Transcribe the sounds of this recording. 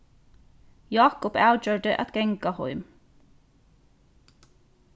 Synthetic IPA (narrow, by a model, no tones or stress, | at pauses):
jɑːkʊpæːd͡ʒøːɖəʔɛ̰t̪ɡ̥ɛŋɡɑhɔ̰ʏm